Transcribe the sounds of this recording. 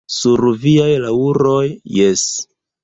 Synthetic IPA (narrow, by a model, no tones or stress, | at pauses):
suɾviajlauɾo̞jjes